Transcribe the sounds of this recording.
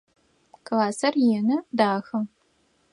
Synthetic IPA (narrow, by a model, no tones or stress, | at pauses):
klaːsɐrjɪnɐdaːxɐ